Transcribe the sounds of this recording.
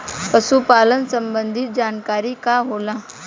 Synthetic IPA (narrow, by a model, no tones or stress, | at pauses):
pəsupaːlənsə̃mbə̃nd̪ʱit̪̚d͡ʒaːnkaːɾikaɦoːlãː